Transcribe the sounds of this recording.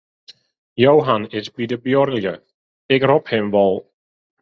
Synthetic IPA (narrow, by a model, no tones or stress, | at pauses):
jawɦanɪtbiːdəbjɔɾljə | ɛɡr̥ɔphɪmvɔlˠ